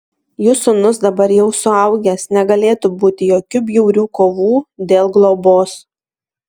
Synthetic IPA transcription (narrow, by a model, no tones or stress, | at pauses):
juːsʊnʊsd̪ɐbɐɾjɛʊsʊɐʊɡʲɛsnʲɛɡɐlʲeːt̪ubuːt̪ʲɪjoːkʲʊbʲjɛʊɾʲuːkoːʋuːd̪ʲeːlˠɡlˠɔboːs